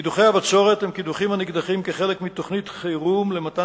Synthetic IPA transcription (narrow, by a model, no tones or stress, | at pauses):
id̪uχejavatʃo̞ʁet̪hemkid̪uχimaniɡd̪aχimkeχelekmit̪oχnitχejʁumlemata